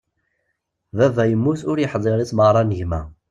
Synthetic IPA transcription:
ðævæjəmːuθʊɾjəħzˤəɾit͡sːməʁɾˤɑnəʝmæ̰

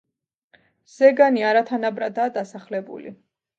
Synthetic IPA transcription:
z̥ɛɡaniaɾat̪ʰanabɾad̪aːd̪asaχlɛbṵlḭ

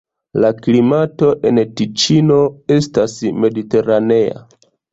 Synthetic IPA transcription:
laklimato̞ʔe̞ntit͡ʃino̞e̞stasme̞dite̞ɾane̞a̰

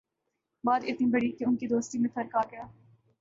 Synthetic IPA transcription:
baːd̪ɪt̪nibɐɽikeʊnkid̪oːst̪imẽt̪ʰɐɾkaːɡɐjaː

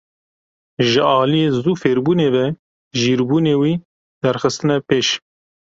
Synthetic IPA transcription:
ʒɨɑːlijeːzuːfeːɾbuːneːvɛ | ʒiːɾbuːneːwiː | d̪̥ɛɾxɨst̪ɨnɛpeːʃ

